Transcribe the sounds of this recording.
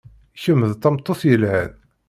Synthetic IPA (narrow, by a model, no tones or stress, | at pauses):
çəmːəðt̪ːɑmt̪ˤːoθjəlhæð